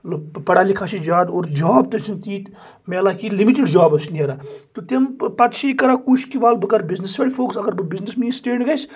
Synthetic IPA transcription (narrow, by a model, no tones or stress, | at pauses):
lopɐɽaːlikʰaːt͡ʃid͡ʒaːd̪oːɾd͡ʒaːbt̪ɐt͡ʃʰint̪iːt̪ | meɐlakilimiʈiɖd͡ʒaːbɐsʰnieɾaːt̪ut̪empɐt̪ʃʰiːkɐɾaːkut͡ʃkiʋaːlbɨkɐɾbiznisʋʲeːɽifʰoːksɐɡɐɾbɨbiznismisʈeːɳɖɡɐs